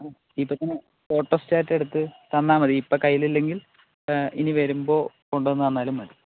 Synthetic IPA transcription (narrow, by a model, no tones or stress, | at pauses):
ipːot̪ɐnːɨ | fo̞ːʈːosɨ̥t͡ɕaːɾtːe̞ɽut̪ːɨt̪ɐnːaːmɐðɨipːokɐjːililːe̞ŋɡil | iniʋɐɾumbo̞ː | ko̞ɳɖuenːɐʋɐnːaːlumɐði